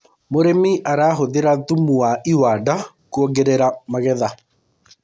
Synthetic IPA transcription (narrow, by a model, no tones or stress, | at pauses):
moɾemiʔaɾaːɦoðeɾatumuaiwaːda | kuɔɡeɾeɾamaɣɛða